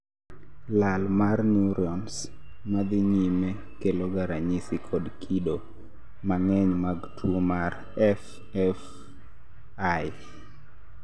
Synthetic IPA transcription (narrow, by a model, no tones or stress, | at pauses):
lalmarnuɾɔns | mad̪ɪɲime | keloɡaɾaɲisikʰɔdkʰido | maŋɛɲmaɡtʰwomar | ɛf | ɛf | aj